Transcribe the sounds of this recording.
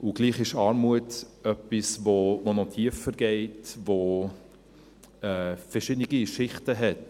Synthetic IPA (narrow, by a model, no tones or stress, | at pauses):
ʔʊɡ̥liːχɪʃɑːɾmuətœpisvovonɔtʰiəfəɾɡɛɪtvo | ɛːfəɾʃɪdniɡiʃɪχtəɦɛt